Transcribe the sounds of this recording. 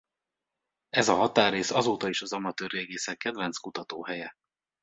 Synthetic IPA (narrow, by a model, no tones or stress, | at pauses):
ɛzɒɦɒt̪aːrːeːsɒzoːt̪ɒiʃɒzɒmɒt̪øːreːɡeːsɛkːɛd̪vɛnt̪skut̪ɒt̪oːɦɛjɛ